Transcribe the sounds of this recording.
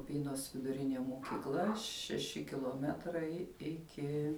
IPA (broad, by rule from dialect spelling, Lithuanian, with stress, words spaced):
ʊˈpʲiːnoːs ʋʲɪdʊˈrʲɪnʲeː moːkʲiːˈklˠɐ ʃʲɛˈʃʲɪ kʲɪlˠoːˈmʲæːtrɐɪ ˈɪkʲɪ